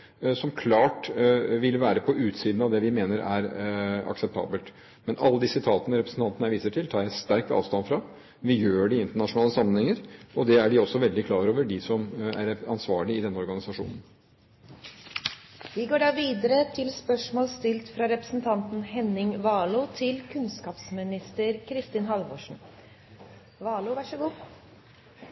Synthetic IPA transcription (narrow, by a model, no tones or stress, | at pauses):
sɔmkʰlɑːʈʋɪlʋæːɾəpʰɔʔʉːt̪siːd̪n̩ɑʋd̪ɛʋɪmeːnəɾæɾɑ̰ksɛp̚t̪ʰɑ̰ːbəlt̪ | mɛnʔɑ̰lːəd̪ɪsɪt̪ʰɑːt̪ənəɾɛpɾəsn̩t̪ʰɑnt̪ənəʋiːsəʈʰɪlt̪ʰɑːɾjæɪst̪æɾkt̪ɑ̰ːʋst̪ɑnfɾɑ | ʋɪjøːɖɛɪnt̪əɳɑʂʊnɑːləsɑmːənhɛŋəɾɔd̪ɛæɖɪɔsːɔʋɛld̪ɪkʰlɑːɾoːʋəɖɪsɔmæɾɑ̰nsʋɑːɭɪɪd̪ɛnːəɔɾɡɑnɪsɑʂṵːnən̩ | ʋɪɡoːɖɑːʋiːd̪əɾət̪ʰɪlspœʂmoːlst̪ɪlt̪fɾɑɾɛpɾəsn̩t̪ʰɑnt̪n̩hɛnːɪŋʋɑːlʊt̪ʰɪlkʰʉnskɑːpsmɪnɪst̪əɾkʰɾɪst̪ɪːnɦɑlʋɔʂɳ̩ | ʋɑːlʊʋæʂəɡuː